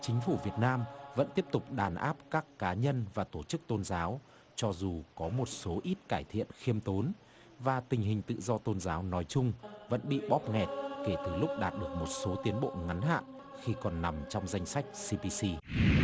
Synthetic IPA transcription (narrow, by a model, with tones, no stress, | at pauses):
t͡ɕï˨˦ŋ̟fu˧˩vi˨˩ət̚naː˧mvə̰˧˥nt̪i˦˥əp̚t̪ʊ˨˩k͡p̚ɗaː˨˩nʔa̰ː˦˥p̚kaː˦˥kːaː˨˦ɲə˧nvaː˨˩t̪o˧˩t͡ɕɨ˦˥k̚t̪o˧nzaː˨˦w | t͡ɕɔ˧zu˨˩kɔ˨˦mo˨˩t̚so˨˦ʔi˦˥t̚kaː˧˩jt̪ʰḭ˧˨ənxi˧əmt̪o˨˦n | vaː˨˩t̪ï˨˩ŋ̟ɦï˨˩ŋ̟t̪ɨ̰˧˨zɔ˧t̪o˧nzaː˨˦wnɔ˨˦jt͡ɕʊ˧ŋ͡mvə̰˧˥nɓḭ˧˨ɓɔ˦˥p̚ŋɛ˨˩t̚ke˧˩t̪ɨ˨˩lʊ˦˥k͡p̚ɗaː˨˩t̚ɗɨ˨˩ək̚mo˨˩t̚so˨˦t̪i˨˦ənɓo̰˧˨ŋa˨˦nɦa̰ː˧˨n | xi˧kɔ˨˩nːa˨˩mt͡ɕɔ˧wŋ͡mza˧jŋ̟sa˦˥jk̟̚si˧pi˧si˧